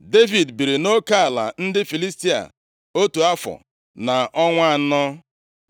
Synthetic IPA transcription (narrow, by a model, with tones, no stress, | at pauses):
de˦vi˨dbi˨ɾi˨no˦ka˦a˨la̰˨n̩˦dɪ˦fi˨li˦sti˦a̰˨ | o˦tu˨a˦fɔ̰˨ | na˨ʔɔ˦ŋʷa˦˨n̩˦nɔ˦